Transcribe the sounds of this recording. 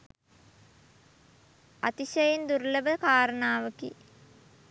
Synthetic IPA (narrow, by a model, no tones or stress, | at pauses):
at̪iʃɐjend̪uɾləʋəkaːɾənaːʋəkḭ